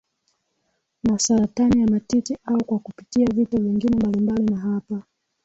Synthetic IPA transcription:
masaɾatanijamatitiʔaukwakupi̥tiavitɔviŋɡinɛmbalimbalinaɦapa

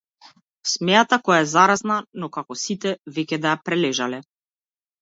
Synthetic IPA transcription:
smɛjat̪akɔjaɛzaɾaznanɔkakɔsit̪ɛvɛcʲɛd̪ajapɾɛlɛʒalɛ

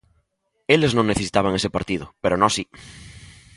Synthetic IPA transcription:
eleznõŋnːeθei̥t̪aβ̞aŋesepaɾt̪iðopeɾonosi

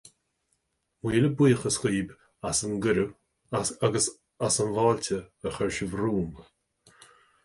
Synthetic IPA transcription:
wiːləbiːxəsxiːb | asənɡʊɾə | aɡəs | asənvalʲtʲəəxɛɹʃəvɾuːmb

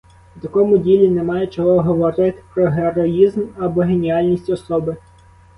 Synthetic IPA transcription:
wt̪ɐkɔmʊdʲilʲinɛmɑjɛt͡ʃɔɦɔɦɔʋɔɾɪt̪ɪ̥pɾɔɦeɾɔizmɐbɔɦe̞nʲiɑlʲnʲisʲtʲɔsɔbɪ

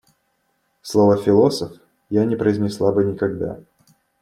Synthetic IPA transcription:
slˠo̞vəfʲɪlˠo̞səf | janʲɪpɾəɪzʲnʲɪslˠabɨnʲɪkɐɡd̪a̰

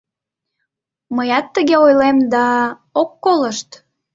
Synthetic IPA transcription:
məjɑt̪ːəɣeojlemd̪ɑ | okːoləʃt̪

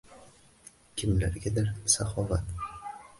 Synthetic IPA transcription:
kʲʰɪmlaɾɡʲad̪aɾsaχɒvat̪

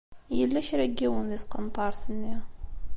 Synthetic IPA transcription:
jəlːæʃɾæɡːiwənliθqənt̪ˤɑɾˤθənːi

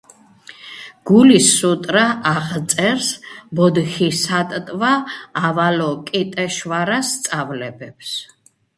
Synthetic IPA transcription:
ɡ̥ulisːut̪ʼɾaʔaʁt̪sʼɛɾsbɔd̪xisat̪ʼt̪ʼvaːvalɔkʼit̪ʼɛʃvaɾasːt̪sʼavlɛbɛps

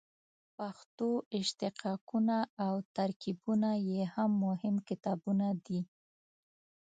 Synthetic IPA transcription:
paxt̪oɪʃt̪ɪqʰɑkunaːwt̪aɾkibunajehamːʊhɪmkɪt̪ɑbunad̪i

